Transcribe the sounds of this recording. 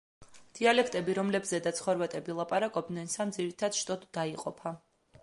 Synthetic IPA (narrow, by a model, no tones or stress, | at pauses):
d̪̥ialɛkʰt̪ʼɛbiɾɔmlɛbzɛd̪at̪sʰχɔɾvat̪ʼɛbilˠapʼaɾakʼɔb̚d̪nɛnsamd̪ziɾit̪ʰad̪̥ʃt̪ʼɔd̪ːaiqʼɔpʰa